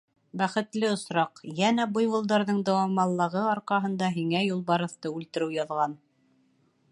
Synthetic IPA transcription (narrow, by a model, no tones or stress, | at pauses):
bæχɘ̆t̪lɘŏsɾɑqjænæbujwŭlˠd̪ɑɾðɤɴd̪æwɑmɑlˠːɤ̆ʁɤɑɾqɑɦɤ̆nd̪ɑɦiŋæjulˠbɑɾɤ̆θt̪ɤʉlt̪ɘ̆ɾɘwjɑðʁɑn